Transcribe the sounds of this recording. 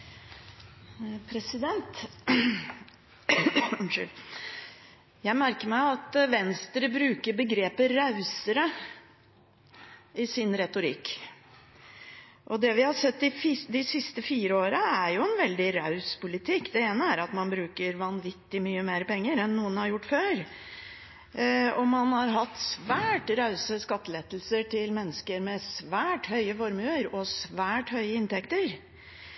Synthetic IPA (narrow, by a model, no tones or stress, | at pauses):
pʰɾɛsɪd̪ɛnt̪ | jæɪmæɾkəɾmæɪɑt̪ʋɛnst̪ɾəbɾʉːkəɾbəɡɾeːpəɾɑʉsəɾə | ɪsɪnɾɛt̪ʊɾɪ̰k | ʔɔd̪ɛʋɪhɑsɛt̪ːɪfd̪ɪsɪst̪əfiːɾəoːɾəæɾjʊɛnʋɛld̪ɪɾɑʉspʊlɪt̪ʰɪkːd̪ɛeːnəæɾɑt̪mɑnbɾʉːkəɾʋɑnʋɪt̪ːɪmyːəmeːɾpɛŋːəɾɛnːuːənhɑɾjʊʈːføːɾ | ɔmɑnhɑɾɦɑt̪ːsʋæːʈɾɑʉsəskɑt̪ːəleːt̪lsəʈʰɪlmɛnːəskəɾmɛsʋæːʈhœʏəfɔɾmʉːəɾɔsʋæːʈhœʏəɪnt̪ʰɛkt̪əɾ